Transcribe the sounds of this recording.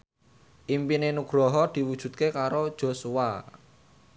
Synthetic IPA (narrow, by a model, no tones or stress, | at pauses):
ʔimpinenuɡ̥ɾɔɦɔd̪̥i̤wud̥ʒ̥ṳt̪̚kekaɾod̥ʒ̥o̤suwa